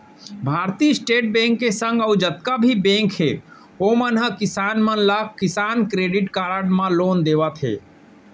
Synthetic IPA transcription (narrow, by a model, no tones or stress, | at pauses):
bʱaːɾt̪isʈeːʈ̚bẽːŋkːesə̃ŋɡəud͡ʒət̪̚kabʱibẽŋkɦe | omənɦəkisaːnmənlakisaːnkɾeːɖiʈkaːɾəɽmãloːnd̪eːʋət̪ɦḛː